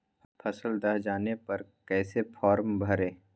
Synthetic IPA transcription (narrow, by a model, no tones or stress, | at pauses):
pʰɐsəld̪ɐɦd͡ʒaːnepɐɾkɛːsepʰɔːɾmbʱɐɾẽː